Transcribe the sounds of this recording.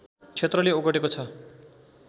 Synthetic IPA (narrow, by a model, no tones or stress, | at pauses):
t͡sʰet̪rʌleoɡʌʈekot͡sʰʌ